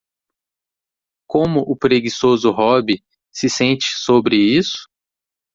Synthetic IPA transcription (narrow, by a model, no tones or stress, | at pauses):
kõmʊʔʊpɾeɡisozʊɦɔbɪ | sɪsẽnt͡ʃɪ̥sobɾɪisʊ̥